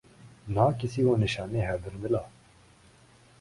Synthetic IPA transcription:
naːkisiːwoːnɪʃaːneːɦɛɾd̪ɪnbɪlaː

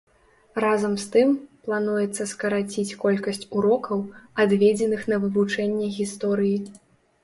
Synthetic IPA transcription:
razɐmst̪ɨmplˠan̪ujɛt̪sːɐskɐɾat͡sʲit͡sʲkɔlʲkɐsʲt͡sʲuɾɔkɐwad̪vʲed͡zʲɛnɨxnɐvɨvut͡ʂɛnʲːɛɣʲist̪ɔɾɨji

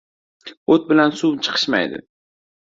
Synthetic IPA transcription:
ot̪̚bɪlansut͡ʃʰɨ̥qʰɨ̥ʃma̰jd̪ɪ̰

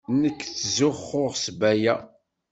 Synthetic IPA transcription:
nəkːθzʊχːʊʁsbæjæ

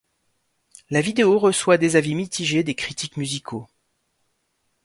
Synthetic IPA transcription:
lavid̪eoʁəswad̪ezavimit̪ʰiʒed̪ekχit̪ikmyzikʰo

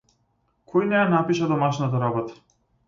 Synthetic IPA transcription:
kʰɔjnɛjanapiʃad̪ɔmaʃnat̪aɾabɔt̪ḁ

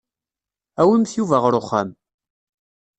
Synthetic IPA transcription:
æwəmθjuvæʁɾʊχːa̰m

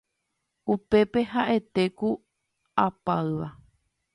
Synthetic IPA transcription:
upe̞pe̞ɦaʔe̞t̪e̞ku | apaɨʋa

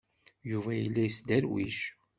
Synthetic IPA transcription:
juvæjəlːæjəsd̪æɾwḭʃ

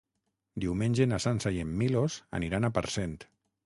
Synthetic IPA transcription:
d̪iwmeɲʲʒenasansajemːilosa̰niɾanapaɾsent̪

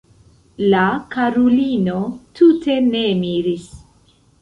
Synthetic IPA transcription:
lakaɾulino̞tute̞ne̞miɾis

